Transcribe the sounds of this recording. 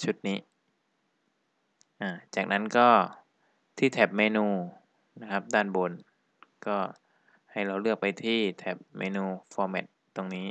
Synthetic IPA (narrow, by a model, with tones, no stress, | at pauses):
t͡ɕʰu˦˥t̪̚niː˦˥ | ʔaː˧˩t͡ɕaː˨˩k̚na˦˥nkɔː˥˩ | t̪ʰiː˥˩t̪ʰɛ˨˩p̚meː˧nuː˧ | na˦˥kʰa˦˥p̚daː˥˩nbo˧n | kɔː˥˩ | ha˥˩jɾa˧wlɯ˥˩ək̚pa˧jt̪ʰiː˥˩t̪ʰɛ˨˩p̚mḛː˧nuː˧fɔː˧mɛ˨˩t̪̚t̪ːo˧ŋniː˦˥